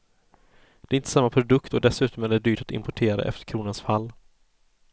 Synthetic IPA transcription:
d̪̥ɛɾɪnt̪ə̥samːapʰɾʊd̪ɵkt̪ɔd̪ɛsʉ̟ːt̪ɔmæɖ̪ɛd̪yːʈat̪ɪ̰mpɔʈʰeːɾa̰ʔɛ̰ft̪ə̥ɾkʰɾuːnansfalː

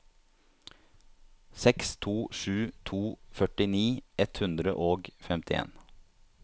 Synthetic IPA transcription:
sɛkst̪ʰuːʃʉːt̪ʰuːfœʈɪniːʔɛt̪hʉnd̪ɾə̰ʔoːɡfɛmt̪ʰɪḛːn

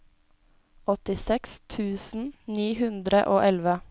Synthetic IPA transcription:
ɔt̪ɪsɛkst̪ʰʉːsn̩niːhʉnd̪ɾə̰ʔoːʔɛlʋə

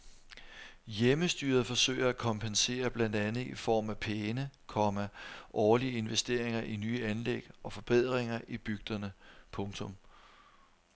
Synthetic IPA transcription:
jeməsd̥yːɐð̩ˠfɒ̽sø̰ːɪɐækʰɒ̽mpʰense̝̰ːɐb̥lænd̥ænð̩ˠifɒ̰ːmæpʰeːnəkʰɒ̽mæʔɒːliəe̝nʋesd̥e̝ɐ̰eŋɐʔinyːænleɡ̥ɒ̽fɒ̽b̥e̝ð̞̰ˠʁeŋɐʔib̥yɡ̥̚d̥ɐnəpʰɔ̽ŋt͡sʰɔ̽m

